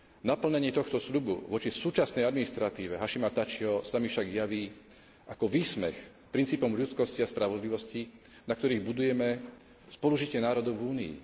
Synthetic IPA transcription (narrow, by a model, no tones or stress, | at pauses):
napl̩ɲɛɲɪɛt̪ɔxt̪ɔsʎubṵʋɔt͡ʃisuːt͡ʃasnɛjad̪minist̪ɾat̪iːʋɛɦaʃimat̪at͡ʃiɦɔsamifʃaɡjaʋiː | ʔakɔʋiːsmɛx | pɾint͡siːpɔmʎut͡skɔsciaspɾaʋɔd̪liʋɔsci | nakt̪ɔɾiːɣbud̪ujɛmɛ | spɔluʒicɪɛnaːɾɔd̪ɔʊvuːnḭḭ